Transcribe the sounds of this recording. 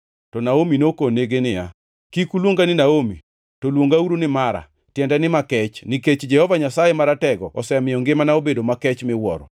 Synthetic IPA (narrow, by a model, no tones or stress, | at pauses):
tɔnaominokoneɡenɪja̰ | kikulwoŋɡanɪnaomi | tolwoŋɡauɾonɪmaɾa̰ | tjɛndɛnɪmakɛt͡ʃniket͡ʃd͡ʒɛhɔvaɲasajemaɾatɛɡɔɔsɛamɪɔŋɡɪmanaobedomakɛt͡ʃmɪwɔɾɔ̰